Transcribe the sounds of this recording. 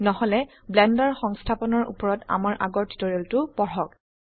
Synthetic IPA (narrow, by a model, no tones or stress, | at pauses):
nɔɦɔlɛ | blɛndaɹxɔŋstʰapɔnɔɹṵpɔɹɔta̰maɹʔa̰ɡɔɹti̥tɔɹiɛltʊbɔɹɔk̚